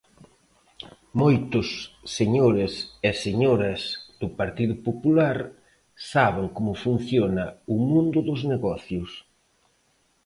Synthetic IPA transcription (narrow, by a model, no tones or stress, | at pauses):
mojt̪ʊsːeɲoɾɪseseɲoɾɐzð̥ʊpaɾt̪iðʊpopulaɾ | saβ̞eŋkomʊfun̟θjonɐʊmũnd̪ʊðʊzneɣɔθjʊs